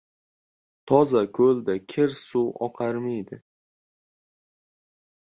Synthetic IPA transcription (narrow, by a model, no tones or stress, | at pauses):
t̪ʰɒzakʲʰɵld̪akʲʰɪɾsuwɒ̰qʰɑɾmɪjd̪ɪ